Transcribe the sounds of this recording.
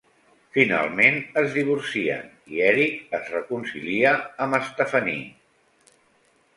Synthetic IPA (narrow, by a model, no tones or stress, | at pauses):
fina̰lˠmenəzðiβ̞uɾsiə̰n | iɛɾik̚əzrəkunsiliəːməst̪əfənḭ